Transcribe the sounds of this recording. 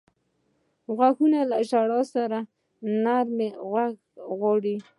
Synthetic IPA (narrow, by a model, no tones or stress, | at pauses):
ɣwaxunalaʃaɽɑsaɾa | naɾmeɣwaɡ | ɣwɑɽi